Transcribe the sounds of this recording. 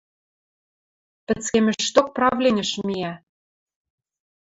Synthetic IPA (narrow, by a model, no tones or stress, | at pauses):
pɘ̆t͡skemɘ̆ʃt̪ok̚prɑvlʲenʲɘ̆ʃmiæ